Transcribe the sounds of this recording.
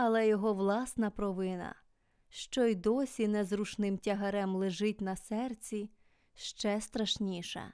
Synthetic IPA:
ɐlˠɛjɔɦɔʋlˠɑsnɐpɾɔʋɪnɐ̰ | ʃt͡ʃɔjd̪ɔsʲinɛzruʃnɪmtʲɐɦɐɾɛmlˠɪʒɪtʲnɐsɛrt͡sʲi | ʃt͡ʃɛst̪ɾɐʃnʲiʃɛ̰

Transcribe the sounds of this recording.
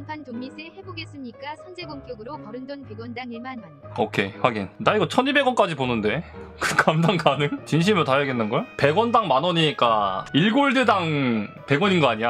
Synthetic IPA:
ampʰantoŋmisʰehe̞boɡes͈ɯmɲik͈asʰʌnd͡ʑeɡoŋk͈jʌɡɯɾokʌɾɯnd͡ʑʌnpe̞ɡwʌndaŋiɭmanʌokʰe̞ɸwaɡinnaiɡʌt͡ɕʰʌnibe̞ɡwʌnk͈ad͡ʑiponɯnde̞kɯkʰamdaŋkanɯŋt͡ɕinɕ̬ʰimɯɭtajaɡenːɯnɡʌjope̞ɡwʌndaŋmanʌɲik͈aiɭɡoɭdɯdaŋ | pe̞ɡwʌɲinɡʌaɲia

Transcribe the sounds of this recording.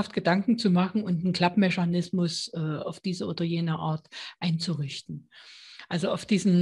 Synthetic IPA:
aft̚ɡ̥ədaŋkŋ̩t͡sumaχn̩ʊntnkʰl̥apmɛçanɪsmʊsʔɛːa̰ʊfd̥iːzəʔoːdɐjeːnəʔa̰ːɐtʔaɪnt͡suʁɪçtn̩ʔalzoaʊfd̥iːzn̩

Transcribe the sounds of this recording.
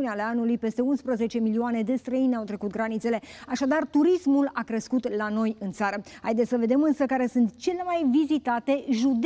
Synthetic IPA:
uneale̞anulujpe̞st̪e̞unspɾəze̞t͡ʃe̞milioane̞d̪e̞st̪ɾəinawt̪ɾe̞kut̪̚ɡɾanit̪se̞le̞aʃad̪art̪uɾismulakɾe̞skut̪lano̞jɨnt̪saɾəhajd̪esʲəve̞d̪e̞mɨnsəkaɾe̞sunt̪t͡ʃe̞le̞majvizit̪at̪e̞ʒud̪

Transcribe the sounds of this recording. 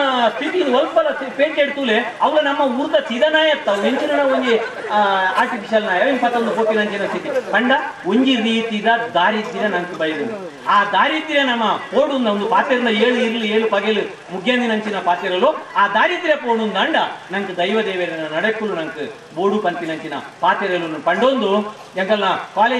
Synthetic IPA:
spiʈinɐlppɐlɐpeːʈeɖt̪uːleɐʋɐlɐnɐmːɐuɾd̪ɐsid̪ɐnaːjɐt̪ːɐneɲt͡ʃinɐnɐoŋɡe | aːɾʈipiʃɐlnaːjɐinpɐt̪ːɐonupoːʈ̪ːinɐɲt͡ʃinɐsit̪ipɐɳɖɐuɲɡiɾiːt̪id̪ɐd̪aːɾiːt̪ːiɾɐnɐŋkɨbɐjɐd̪ini | aːd̪aːɾit̪iɾɐnɐmːɐpoːɽund̪ɐond̪upaːt̪eɾind̪ɐeːɭuiɾilieːɭupɐɡelu | muɡʰʱjaːnd̪inɐɲt͡ʃinɐpaːt̪jɐɾɐluaːd̪aːɾid̪iɾjɐpoːɽund̪ɐɳɖɐnɐŋkɨd̪ɐjʋɐd̪eːʋeɾinɐnɐɽekːulunɐŋkɨ | boːɽupɐnt̪inɐɲt͡ʃinɐ̰paːt̪ɛɾɐlunɐpɐɳɖond̪u | ent̪ɐlnɐkaːleː

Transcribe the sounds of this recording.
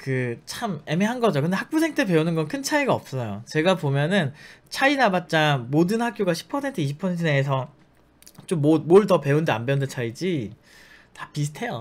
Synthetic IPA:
kɯt͡ɕʰame̞meɦanɡʌd͡ʑokɯndehak̚p͈usʰe̞ŋtʰepe̞unɯnɡʌnkʰɯnt͡ɕʰaiɡaʌp̚s͈ʌjot͡ɕe̞ɡapomjʌnɯnt͡ɕʰainabat̚t͡ɕ͈amodɯnɦak͈̚joɡaɕʰi̥pʰʌsʰe̞ntʰɯiɕʰi̥pʰʌsʰentʰɯneesʰʌ | t͡ɕomːomoɭtʌpe̞undea̰nbeundet͡ɕʰaid͡ʑi | tḁpis̬ʰɯ̥tʰe̞jo̰

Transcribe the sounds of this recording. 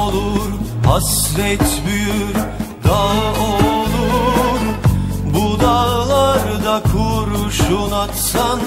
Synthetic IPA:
lˠuɾhasvɛt̪byjyɾd̪aolˠuɾbud̪alˠaɾd̪akʰuɾuʃunat̪san

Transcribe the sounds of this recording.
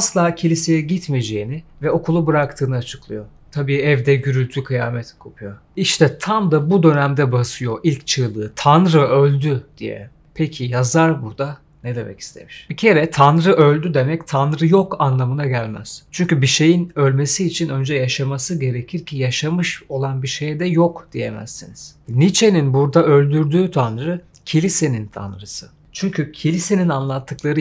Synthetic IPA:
aslˠaːcʰilʲise̞jɛɟit̪med͡ʒejinɪvɛo̞kʰulˠubɯɾakt̪ʰɯːnɯat͡ʃʰɯ̥klˠɯjo̞ | t̪ʰabiːɛvd̪ɛɟyɾylʲt̪ʰykʰɯjaːmɛt̪kʰopʰujo̞ | iʃt̪ʰɛt̪ʰamd̪abud̪ø̞næmd̪ɛbasɯjo̞ʔilʲct͡ʃʰɯlˠɯːt̪ʰanɾɯølʲd̪yd̪̥ijɛ̰ | pʰecʰijazaɾbuɾd̪a | ned̪e̞mɛ̰ci̥st̪ʰe̞̰miʃb̥icʰe̞ɾɛt̪ʰanɾɯʔø̞lʲd̪yd̪e̞mɛct̪ʰanɾɯjokanlˠamɯnaɟælʲmæ̰z̥t͡ʃʰyɲcybiʃe̞jinø̞lʲme̞siːt͡ʃʰinø̞nd͡ʒɛjaʃamasɯɟe̞ɾe̞cʰiɾcʰijaʃamɯʃo̞lˠanbiʃejd̪ɛjokd̪̥ije̞mæ̰z̥ːiniz̥nit͡ʃʰe̞ninbuɾd̪aø̞lʲd̪yɾd̪yːt̪ʰanɾɯ | cʰilʲise̞nint̪ʰa̰nɾɯsɯ | t͡ʃʰyɲcʰycʰilʲise̞ninanlˠat̪ʰːɯklˠaɾɯ

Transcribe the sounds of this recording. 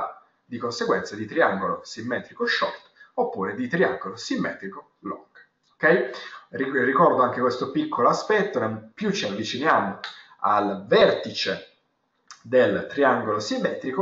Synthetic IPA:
d̪ikonseɡwɛnt̪sad̪it̪ɾiaŋɡolosimːɛːt̪ɾikoʃːɔ̰rt̪opːuːɾed̪it̪ɾia̰ŋɡolosimːɛ̰ːt̪ɾiko | lo̰ŋɡ | okɛjririkɔrd̪oaŋk̟ekwest̪opikʰːoloaspɛt̪ːonompjut͡ʃːiavːit͡ʃinjaːmo | a̰lvɛrt̪it͡ʃe | d̪elt̪ɾiaŋɡolosimːɛːt̪ɾiko

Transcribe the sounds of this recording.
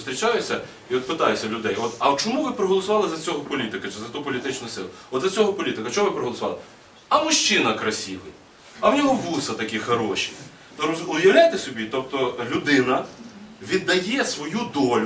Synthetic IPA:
st̪ʲɾʲit͡ʃɑjʊsʲɐ | iɔt̪̚pɪt̪ɑjʊsʲːɐlʲʊd̪ɛjɔt̪ɐwt͡ʃɔmuʋɪpɾɔɦɔlˠɔsʊʋɑlˠɪzɐt͡sʲɔɦɔpɔlʲit̪ɪkɐt͡ʃɪzɐt̪upɔlʲit̪ɪt͡ʃnʊsɪ̰lˠʊɔd̪zʲɐt͡sʲɔɦɔpɔlʲit̪ɪkɐt͡ʃɔɔʋɪpɾɔɦɔlˠɔsʊʋɑ̰lˠɪ | ɐmʊʃt͡ʃɪnɐkɾɐsʲiʋɪ | ɐwnʲɔɦɔʋusɐt̪ɐkʲixɐɾɔʃʲi̥ | t̪ɔʊjɐwlʲajt̪esʲɔbʲit̪ɔp̚t̪ɔlʲʊd̪ɪnɐʋʲid̪ːɐjɛsʋɔjud̪ɔlʲ

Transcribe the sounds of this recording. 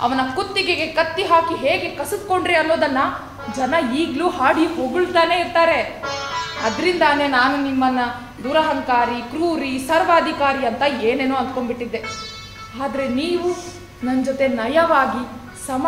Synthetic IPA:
ɐ̰ʋɐnɐkut̪ːiɡeɡe̞kɐt̪ːiɦaːkiɦeːɡe̞kɐsud̪̚ko̞ɳɖɾiɐnːo̞ːd̪ɐnːɐ | d͡ʒɐnɐiːɡluːɦaːɽiɦoɡuɭt̪aːne̞ːiɾt̪aːɾe̞ | ɐd̪ɾind̪anenaːnunimːɐnːɐ | d̪uɾɐɦɐŋkaːɾikɾuːɾisɐɾʋaːd̪ʱikaːɾiɐnt̪ɐeːneːnoːɐnd̪̚ko̞mbiʈːid̪ːe̞ | aːd̪ɐɾe̞niːʋu | nɐnd͡ʒot̪e̞nɐjɐʋaːɡi | sɐm

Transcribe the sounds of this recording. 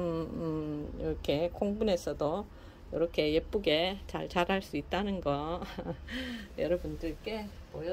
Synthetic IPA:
ɯjiɾʌkʰe̞kʰoŋbune̞sʰʌdo | jʌɾʌkʰe̞jep͈uɡe̞t͡ɕa̰ɭt͡ɕaɾaɭs͈uit̚t͈anɯnɡʌ | jʌɾʌbundɯɭk͈e̞pojo

